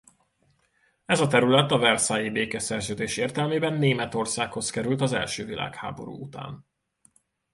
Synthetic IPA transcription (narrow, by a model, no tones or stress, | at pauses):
ɛzɒt̪ɛɾylɛt̪ɒvɛrsaːjibeːkɛsɛrzøːd̪eːʃeːrt̪ɛlmeːbɛnːeːmɛt̪o̞rsaːkho̞skɛɾylt̪ɒzɛ̰lʃøːvila̰ːkha̰ːbo̞̰ɾṵːut̪a̰ːn